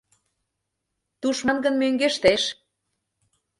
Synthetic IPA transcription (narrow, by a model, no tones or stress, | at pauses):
t̪uʃmɑnɡə̆nmøŋɡeʃt̪eʃ